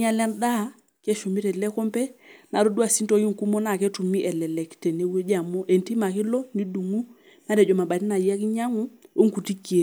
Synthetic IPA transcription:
ɲa˦la˦nda˦ | kɛ˦ʃu˨mi˦tɛ˨lɛ˦kɔ˦mpɛ˦na˨ɾo˦dwa˨si˦ntɔ˨˦ji˦ŋ̩˨ku˦mo˦na˨kɛ˦tu˨mi˦ʔɛ˨lɛ˨lɛ˨ktɛ˨ne˨˦we˦d͡ʒa˨mɔ˦ʔe˨nti˦ma˨kɪ˦lɔ˦ni˦du˨ŋu˦ | na˦ɾɛ˨d͡ʒɔ˨ma˨ɓa˨ti˦na˨ja˦ki˦ɲa˦ŋu˦o˦ŋ˨ku˨ti˦ki˦e˨

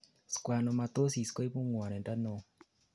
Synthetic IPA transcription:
skwa˨no˨ma˨t̪o˦si˨sko˦i˦pu˦ŋwa˨nɛ˨nda˦no˨

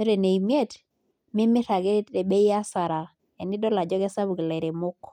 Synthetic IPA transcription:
t͡ʃe˦ɾe˨ne˨i˨m˦e˦t | mɪ˦mɪ˦ɾa˨ɡe˦e˨be˦ja˦sa˨ɾa˨ | ɛ˨nɪ˦dɔ˦la˨d͡ʒɔ˦ɡɛ˦sa˦bu˨ɡlɛ˨ɾe˨mʊ˦k

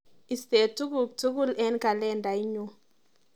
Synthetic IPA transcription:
i˨stɛ˨tu˦ku˨k̚tu˦ku˦lɛ˦nka˨lɛ˦˨nda˨i˦ɲu˦

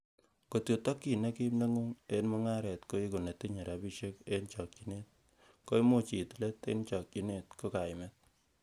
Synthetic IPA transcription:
ko˨tjo˨to˦kːi˨ne˦ki˦mne˦ŋu˦ŋe˦nmo˦ŋa˦ɾɛ˨tko˦i˦ko˨ne˨ti˦ɲe˨ɾa˨bi˦ʃe˦ke˦nt͡ʃɔ˨kt͡ʃi˨ne˦t̚ | ko˦i˦mo˦t͡ʃi˨tle˦tḛ˦nt͡ʃɔ˨k̚t͡ʃi˨ne˦˨tko˦ka˨ɪmɛ˦t̚

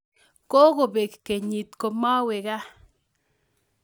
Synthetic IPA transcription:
ko˦ɣo˨be˨kke˨ɲi˨t̪ko˨ma˦we˨ɡa˦

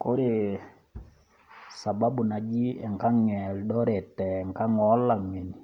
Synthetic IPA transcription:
ko˦ɾe˨ | sa˨ba˦bu˨na˨d͡ʒi˦ɛ˨ŋka˦ŋɛ˨ldɔ˦ɾɛ˨tɛ˨ŋka˦ŋɔ˦lːa˨ŋe˨ni˨

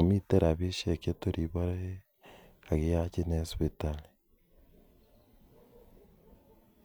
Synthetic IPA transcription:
o˨mi˦te˦ɾa˨βe˦ʃe˨ke˦to˦ɾi˨βo˦ɾe˦ | a˨ɣe˦a˦t͡ʃe˦ne˦spi˦ta˦˨li˨

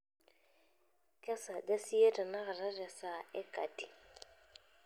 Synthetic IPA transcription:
kʼɛ˦sa˨da˦si˦e˦tʼa˨na˦ɣɪ˨ra˦rɛ˨sa˨ɛ˦kʼa̰˨tʼi˨

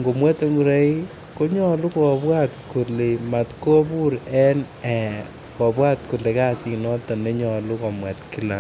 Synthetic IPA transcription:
ŋɡo˨mwɛ˦to˦ŋɡu˨ɾa˦i | ko˦ɲɔ˦lu˦kɔ˨bwa˦tko˨le˨ma˨tko˦pu˦ɾɛ˦n | ɛ˨ | kɔ˨bwa˦t̚ko˨le˨ka˦si˨knɔ˦tɔ˨ne˦ɲɔ˨lu˦ko˨mwɛ˨tki˦la˨

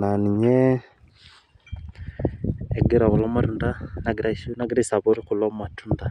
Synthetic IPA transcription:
na˨ni˨ɲɛ˦ | e˨ɡi˦ɾa˨kulo˦ma˦tunda˦naɡiɾaunaɡiɾa˦sa˨βoɾi˦ku˨lomatunda

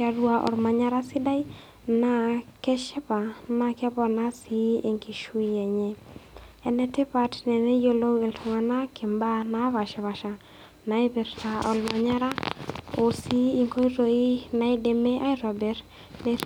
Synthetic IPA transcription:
a˨ɾwa˨ʔɔ̰˨ɾma˨ɲa˦ɾa˦sɪ˦da˦i˦ | na˦kɛ˦ʃɛ˦pa˨na˦kja˦bɔ˦na˦si˦e˨ŋki˨ʃu˦i˦ɛ˨ɲɛ˦ | ɛ˨nɛ˦tɪ˦pa˦tnɛ˨nɛ˦jo˦lo˦we˨ltʰɔ˨ŋa˨na˦kʰɪ˨mba˦na˦βa˨ʃɛ˨βa˨ʃa˨ | na˨ɪ˦bɛ˨ɾta˨ʔɔ˨lma˨ɲa˦ɾa˦o˨si˦i˦ŋko˦i˦ɾo˨i˦na˨i˦de˨me˦ʔa˦i˦ɾɔ˨bɛ˨ɾ | nɛ˨

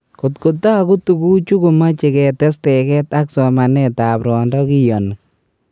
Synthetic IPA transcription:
ko˨tko˨ta˦a˨ku˦tu˨ku˦t͡ʃu˦ko˨ma˦t͡ʃe˨kɛ˨tɛ˦stɛkɛ˦ta˦ksɔma˨nɛ˦tapɾɔ˨ndɔ˦ki˦jɔ˨nɔ˨

